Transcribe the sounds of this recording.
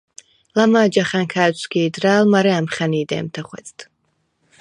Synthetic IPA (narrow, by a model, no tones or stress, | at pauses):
lamad͡ʒaχankʰaːt͡ʃʷkiːd̪raːlmaɾɛamχaniːd̪ɛ̰ːmt̪ʰaχwɛ̰t͡sʼt̪ʰ